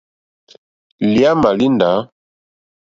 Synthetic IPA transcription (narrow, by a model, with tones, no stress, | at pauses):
li˦a˦ma˨li˦nda˨˦